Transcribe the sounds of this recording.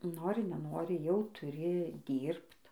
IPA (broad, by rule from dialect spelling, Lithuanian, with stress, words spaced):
ˈnoːrʲɪ nʲɛˈnoːrʲɪ jɛʊ tʊˈrʲɪ ˈdʲiːrpt